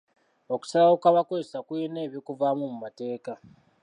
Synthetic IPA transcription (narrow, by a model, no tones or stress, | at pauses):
o̞ku̥salaokaβakozesakuene̞ːβjokuvamumumate̞ːka